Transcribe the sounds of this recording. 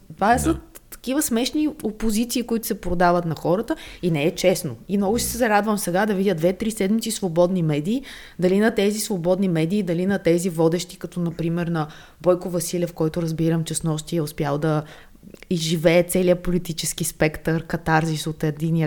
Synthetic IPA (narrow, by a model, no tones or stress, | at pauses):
t̪vasət̪ːɐ̥kivəsmɛʃniopozit̪siːkʊit̪ʊ̥sɛpɾod̪avət̪nɐxɔɾət̪əinɛːt͡ʃɛsnoimnɔɡʊʃsɛzɐɾad̪vəmsɛɡad̪ɐvidʲjəd̪vɛt̪ɾisɛd̪mit̪sisvobɔd̪nimɛd̪iː | d̪ɐlinɐt̪ɛzisvobɔd̪nimɛd̪iːd̪ɐlinɐt̪ɛzivɔd̪ɛʃt̪i̥kɐt̪ɔnɐpɾimɛɾnɐ | bɔjkʊvɐsilʲɛfkɔjt̪ʊɾɐzbiɾəmt͡ʃɛsnɔʃt̪iɛʊspʲjalˠd̪ɐ | izʒivɛːt̪sɛliəpolit̪it͡ʃɛskispɛkt̪əɾkɐt̪aɾzisot̪ɛd̪in